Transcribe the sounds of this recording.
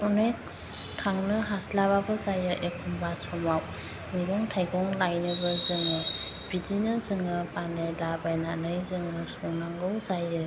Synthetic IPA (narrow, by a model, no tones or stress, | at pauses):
ɔnek̚ | stʰaŋnɯɦaslaβabɯzajɯʔekʰumbasɔmaw | miɡɔŋtʰajɡɔŋlajnɯbəzɯŋɯ | b̥idinɯzɯŋɯpanajlabajnanɯjzɯŋɯsɔnaŋɡɯwzajɯ